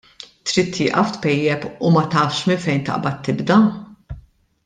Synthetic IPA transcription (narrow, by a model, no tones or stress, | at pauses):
t̪ɾiːt̪ʰːɪːʔɐft̪pɛjːɛpumɐt̪ɐːfʃmɪnfɛjnt̪ɐ̰ʔbɐt̪ːɪbd̪ɐ